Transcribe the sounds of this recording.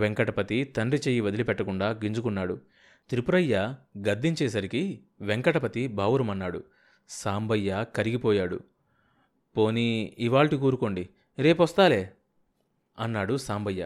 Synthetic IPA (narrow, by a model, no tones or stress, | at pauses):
ʋeŋkɐʈɐpɐt̪it̪ɐnɾit͡ʃeːjːiʋɐd̪ilipɛʈːɐkuɳɖaːɡiɲd͡ʒukunːaːɽu | t̪ɾipuɾɐjːaɡɐd̪ːiɲt͡ʃɛːs̬ɐɾiki | ʋeŋkɐʈɐpɐt̪ibʱaːʋuɾɐmɐnːaːɽu | saːmbɐjːakɐɾiɡipɔːjaːɽṵ | po̞ːniːʋaːɭʈikuːɾuko̞ːɳɖi | ɾe̞ːp̬ɔst̪aːleː | ɐnːaːɽusaːmbʱɐjːa